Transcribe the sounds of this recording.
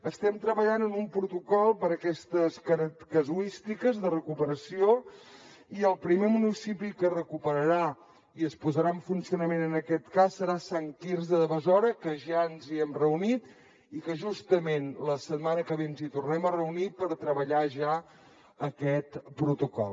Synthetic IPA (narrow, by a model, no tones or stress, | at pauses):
əst̪ɛmt̪ɾəβəʎanənumpɾut̪ukɔlˠpəɾəkɛst̪əskəɾkəzuist̪ikəzðərəkupəɾəsio | iəlˠpɾimemunisipikərəkupəɾəɾa | iəspuzəɾaɱfunsiunəmenənəkɛt̪kasːəɾasaŋkiɾzðəðəβəzɔɾəkəʒaənziɛmrəunit̪ | ikəʒust̪əmenləsəd̪̚manəkəβeənzit̪urnɛmərəunipəɾt̪ɾəβəʎaʒa | əkɛt̪pɾut̪ukɔ̰lˠ